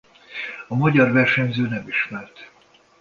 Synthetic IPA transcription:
ɒmɒɟɒrvɛrʃɛmzøːnɛmiʃmɛrt̪

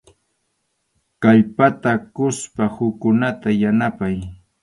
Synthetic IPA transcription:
kajpat̪akʊspahʊkːʊnat̪ajanapaj

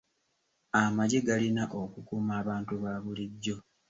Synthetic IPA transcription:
amaɟiɡalinaʔo̞kukuːmaːβaːntuβaːβuliɟːo̞

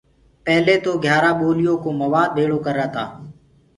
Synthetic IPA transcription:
pɛɦleːt̪oːɡʱjaːɾaːɓoːlɪjoːkoːməʋaːd̪̚bʱeːɽoːkəɾaːt̪a̰ː

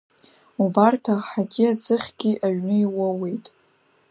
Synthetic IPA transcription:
ubartʰaʁħaɡʲiat͡sʰʼɨχʲɡ̥ʲiʔaɥnɨiwawe̞jtʼ

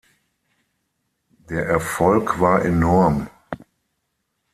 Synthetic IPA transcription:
d̥eːɐʔɛɐfɔlkv̥aːɐʔenɔɐm

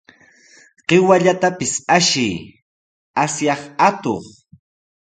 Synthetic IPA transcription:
ɢ̥ɪwaʎat̪apɪsaʃɪj | asjɑχat̪o̰χ

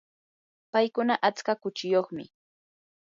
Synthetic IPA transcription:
pajkʊnaʔat͡skakʊt͡ʃɪjoχmɪ̰

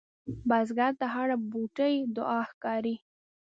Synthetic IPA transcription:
bazɡaɾt̪aɦaɽabuʈəjd̪ʊʔɑxkɑɾi

